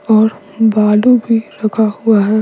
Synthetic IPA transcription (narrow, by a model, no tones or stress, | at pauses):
ɔːɾ | baːlubʱiɾɐkʰaɦʊaɦɛː